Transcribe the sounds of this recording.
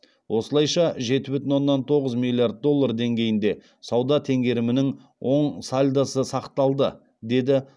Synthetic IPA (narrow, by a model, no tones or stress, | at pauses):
wʔo̞səlˠɑjʃɑʒe̞t̪ɪbʏt̪ɪnwo̞nːɑnt̪ʰo̞ʁəzmʲilʲˠijard̪̚d̪o̞lˠːard̪e̞ŋɡʲe̞jɪnd̪e̞ | sɑwd̪ɑt̪ʰe̞ŋɡʲe̞ɾɪmɪnɪŋ | wo̞ɴsalʲd̪asəsɑqt̪ɑlˠd̪ə | d̪e̞d̪ɪ